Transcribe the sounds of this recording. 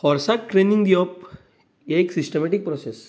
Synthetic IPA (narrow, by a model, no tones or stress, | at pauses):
hɔɾsak̚ʈɾeniŋɡd̪iɔp̚ | jaeksisʈemeʈik̚pɾɔses